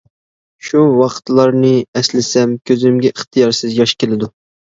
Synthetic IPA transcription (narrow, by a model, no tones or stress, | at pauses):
ʃuwɑqʰə̥t̪lˠɑɾnɨɛslɪsɛmkʲʰøzɪmɡʲɛʔəχt̪ʰɨjɑɾsɨzjɑʃkʲelɪd̪u